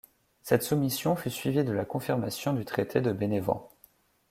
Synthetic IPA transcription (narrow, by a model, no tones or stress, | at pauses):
sɛt̪sumisjɔ̃fysɥivid̪əlakɔ̃fiʁmasjɔ̃d̪yt̪χet̪ʰed̪əbenevɑ̰̃